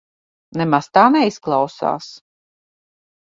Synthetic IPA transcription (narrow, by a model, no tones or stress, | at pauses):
nɛmast̪aːnɛisklˠawsa̰ːs